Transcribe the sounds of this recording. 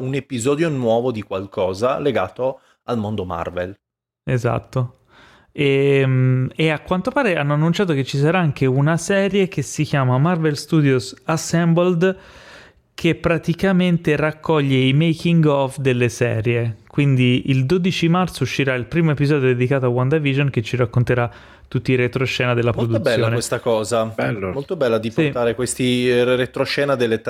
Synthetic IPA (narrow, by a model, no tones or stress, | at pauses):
unepizɔːd̪jonwɔːvod̪ikwalkʰɔːzaleɡa̰ːt̪o | almond̪oma̰rvḛl | eza̰t̪ːo | emeakːwant̪opaːɾeanːoanːunt͡ʃaːt̪̬ok̟et͡ʃːisaɾaaŋkeunasɛːɾjek̟esik̟jaːmamarvelst̪uːd̪josasɛmbold̪ | kʰepːɾat̪ikament̪erakːɔʎːeimejkiŋɡɔfd̪elːesɛ̰ːɾjekwind̪iild̪od̪it͡ʃimart̪souʃːiɾailpɾiːmoepizɔːd̪jod̪ed̪ikaːt̪oawand̪avid͡ʒonket͡ʃːiɾakːont̪eɾa | t̪ːut̪ːiːɾet̪ɾoʃɛːnad̪elːapɾod̪ubɛsljoːnewest̪akɔːzamolt̪obɛlːad̪ipt̪aːɾekwest̪iɾet̪ɾoʃɛːnad̪elːet̪